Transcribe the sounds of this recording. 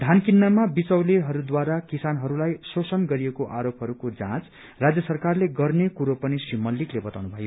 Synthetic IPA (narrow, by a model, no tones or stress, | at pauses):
d̪ʱankinːamabit͡sʌwleɦʌɾud̪waɾakisanɦʌɾulajsosʌnɡʌɾiekoʔaɾopɦʌɾukod͡zã̰t͡s | rad͡zjʌsʌrkarleɡʌrnekuɾopʌnisrimʌlːiklebʌt̪awnubʱʌjo